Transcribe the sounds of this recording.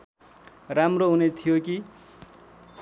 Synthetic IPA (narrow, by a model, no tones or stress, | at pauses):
ramroɦunet̪ʰijoki